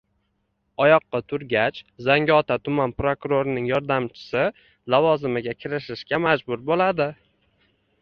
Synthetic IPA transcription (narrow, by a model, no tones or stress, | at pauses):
ɒjɒqːɑt̪ʰʊɾɡʲat͡ʃzaŋʲɒt̪ʰat̪ʰʊmanpɾokʊɾoɾɪnɪŋjɒɾd̪amt͡ʃʰɪ̥sɪ | lavɒzɪmɪɡʲakʲʰɪɾɪʃɪʃkʲamad͡ʒbʊɾbolad̪ɪ